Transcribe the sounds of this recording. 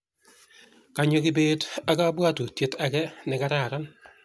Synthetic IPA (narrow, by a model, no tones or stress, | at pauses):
kaɲokɪbeːtakabwatutjetakɛnɛkaɾaɾan